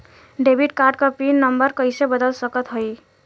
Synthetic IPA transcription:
ɖebʱiʈ̚kaɾɖ̚kəpinːəmbəɾkəɪsebəd̪əlsəkət̪ɦoj

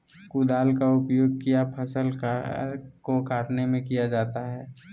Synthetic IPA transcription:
kud̪aːlkaʊpjoːɡ̚kijapʰɐsəlk | kokaːʈnemẽkijad͡ʒaːt̪aɦɛː

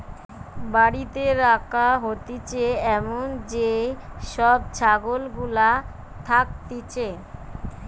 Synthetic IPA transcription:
baɽit̪eɾakʰaɦot̪it͡ɕeɛmond͡ʑeʃɔb̚t͡ɕʰaɡolɡula | t̪ʰak̚t̪it͡ɕe

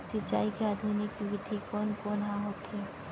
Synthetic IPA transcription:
sɪt͡ʃa̰ːikeaːd̪ʱunikːʋɪd̪ʱikɔːnkɔnɦãɦoːt̪ɦɛ

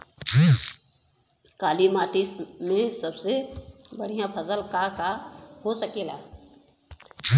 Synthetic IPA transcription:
kaːlimaːʈɪsmẽsəbsebəɽ̤ijãpʰəsəlkakaɦosəkela̰

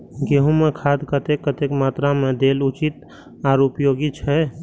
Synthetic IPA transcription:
ɡeːɦũmekʰaːd̪kət̪ekːət̪ekmaːt̪ɾamẽd̪eːlut͡ʃit̪ | aːɾupjoːɡit͡ʃʰɛ

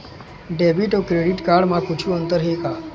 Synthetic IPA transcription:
ɖebiʈokɾeɽiʈkaɾɖmãkut͡ʃʰuːənt̪əɾɦika

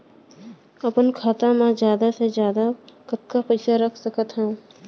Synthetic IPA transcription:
əpənkʰaːt̪ãmãzjaːd̪asezjaːd̪akət̪̚kapuɪsaɾəkʰsəkət̪ɦɛ̃

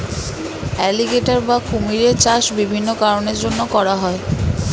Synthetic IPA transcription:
ɛliɡeʈaɾbakʰumiɾet͡ɕaʃbibʱinːokaɾoneɾd͡ʑonːokɔɾaɦɔe

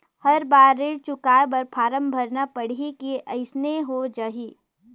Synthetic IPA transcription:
hɐɾbaːɾːeɽt͡ʃʊkaːebɐɾpʰaːɾəmbʱəɾnapəɽ̤ikeʔɐɪsneɦod͡ʒaːɦiː

